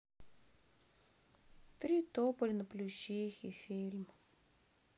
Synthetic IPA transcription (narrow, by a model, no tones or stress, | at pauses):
t̪ɾʲit̪opəlʲnəplʲuɕixifʲilʲm